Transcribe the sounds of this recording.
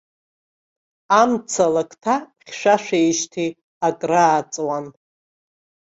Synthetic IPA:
amt͡sʰalakʰʼtʰaχʲʃʷᶣaʃʷᶣejʃtʰi | akʼraːt͡sʼwan

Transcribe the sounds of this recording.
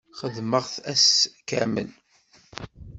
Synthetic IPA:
χəðməʁθæskə̰mə̰n

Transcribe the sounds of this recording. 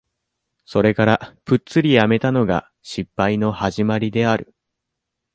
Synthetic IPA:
so̞ɾe̞kaɾapɯ̟tt͡sɨɾʲijame̞t̪ano̞ɡa̰ | ɕipːaino̞haʑimaɾʲid̪e̞aɾɯ̟̰

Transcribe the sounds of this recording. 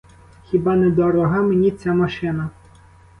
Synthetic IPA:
xʲibɑnɛd̪ɔɾɔɦɑmenʲit͡sʲamɐʃɪnɐ

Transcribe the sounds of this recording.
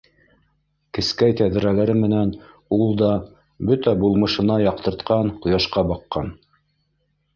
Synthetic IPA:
kɘ̆skæjt̪æðɘ̆ɾælæɾɘmɘ̆næn | ulˠd̪ɑ | bɵt̪æbulˠmɤ̆ʃɤ̆nɑjɑq̚t̪ɤ̆ɾt̪qɑɴqŏjɑʃqɑbɑqːɑn

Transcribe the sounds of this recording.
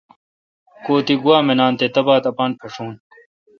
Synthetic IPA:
koːt̪iɡuaːmenaːnt̪et̪ɐbaːt̪ɐpaːnpʰeʂuːn

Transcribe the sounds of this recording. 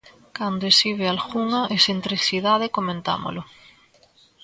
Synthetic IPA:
kand̪oesiβ̞ealxuŋaʔesent̪ɾiθiðað̞ekomẽnt̪a̰mo̰lʊ

